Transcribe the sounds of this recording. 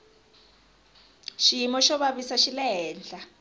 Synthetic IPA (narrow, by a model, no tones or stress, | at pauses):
ʃijimɔʃɔβaβisaʃilɛɦɛːnd͡ɮʱa